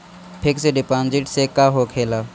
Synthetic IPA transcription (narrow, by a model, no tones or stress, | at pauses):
pʰekseɖɪpaːnd͡ʒɪʈsekaːɦoːkʰeːlaː